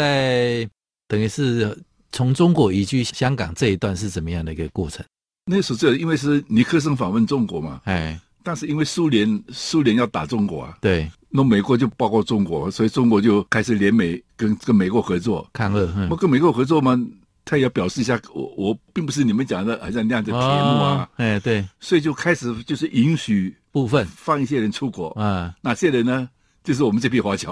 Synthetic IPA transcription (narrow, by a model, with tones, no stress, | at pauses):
t͡sa˥˧ɪ | t̪ə˨˩ŋi˧˥ʂɻ̩˥˧ | t͡sʰʊ˧˥ŋʈ͡ʂʊ˥ŋkwɔ˧˥i˧˥t͡ɕy˥˩ɕjɑ˥ŋkɑ̰˨˩ŋt͡sɤ˥˧i˧˥t̪wa˥˧nʂ̬ɻ̩˥˩t͡sə˨˩nmə˦jɑ˥˩ŋd̪ə˩i˧˥ɡə˧kwɔ̰˥˩t͡sʰə̰˧˦ŋ | na˥˩ɡə˩swo˨˩t͡sjd̪i˥nwe˥˧ɪʂɻ̩˥˩ni˨˩˦kʰɤ˥˧ʂ̬ə˥ŋfɑ˨˩ŋwə˥˧˨nʈ͡ʂʊ˥ŋkwɔ̰˧˥mɐ˨˧a˥˩ | t̪a˥˧nʂɻ̩˥˧i˥nwe˥˩ɪsu˥ljɛ˧˥nsu˥ljɛ˧˥njɑ˥˩ʊt̪a̰˨˩ʈ͡ʂʊ˥ŋkwɔ̰˧˥ɐ̰˦t̪we˥˩ɪ | na˥˩me˨˩ɪkwɔ˧˥˦t͡ɕjo˥˧ʊpɑ˥˧ʊkwɑ˥˩ʊʈ͡ʂʊ˥ŋkwɔ̰˧˥˨swɔ˧˥i˨˩t͡sʊ˥ŋkwɔ˧˥t͡ɕjo˥˩ʊkʰa˥ɪʂɻ̩˨˩ljɛ˧˥nme˨˩ɪkə˥nkə˥nme˨˩ɪkwɔ˧˥xɤ˧˥t͡swɔ˥˩kʰa˥˧nə˥˧˥mɔ˥˧kə˥nme˨˩ɪkwɔ˧˥xɤ˧˥t͡swɔ˥˩mɐ˨ | t̪ʰa˥˩˨jpjɑ˨˩ʊʂ̩˥˧i˧ɕja˥˩wɔ̰˨˩wɔ˨˩pi˥˩ŋp̬u˧˥ʂ̬ɻ̩˥˩ni˨˩mə˦nt͡ɕjɑ˨˩ŋd̪ə˦xa̰˨˩jnə˧ja˥˧˩t̪ʰɛ˧˥˦nu˥ɐ˨˩˥t̪we˥˩swɔ˧˥i˨˩t͡ɕjo˥˩ʊkʰa˥ɪʂɻ̩˨˩t͡ɕjo˥˧ʊʂɻ̩˥˩ʔi˧˥ŋɕy˨˩ | u˥˧fə˨nfɑ˥˧ŋi˥˧ɕ̬jɛ˥˧ɻə˧˦nʈ͡ʂʰu˥kwɔ̰˨˩˦na˨˩ɕjɛ˥ɻə˧˦nnə˧ | t͡ɕjo˥˧ʊʂ̬̩˥˩wɔ˨˩ə˦nʈ͡ʂɤ˥˧pʰɛ˥˩xwa˧˥t͡ɕʰjɑ̰˨˩˦ʊ